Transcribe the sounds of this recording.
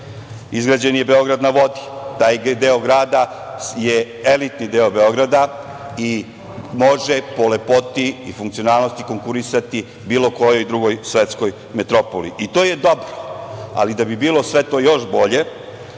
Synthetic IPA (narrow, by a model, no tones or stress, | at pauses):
izɡɾad͡ʑenje̞be̞o̞ɡɾad̪naʋo̞d̪i̥t̪aːjd̪eoɡɾaːd̪a | je̞ | e̞lit̪nid̪eobe̞o̞ɡɾad̪a | i | mo̞ʒe̞po̞le̞po̞t̪iifuŋkt̪sionaːlˠnost̪iko̞ŋkuɾisat̪i | biːlo̞ko̞jo̞jd̪ɾuɡo̞jsʋe̞t̪sko̞j | met̪ɾo̞polḭʔit̪o̞ːje̞d̪obɾoa̰lid̪abibiːlˠo̞sʋe̞t̪o̞ːjo̞ʃbo̞ʎe̞